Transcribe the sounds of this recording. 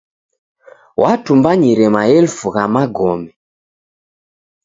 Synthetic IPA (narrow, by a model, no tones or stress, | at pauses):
watumbaɲiɾɛmaɛlfuɣamaɡɔmɛ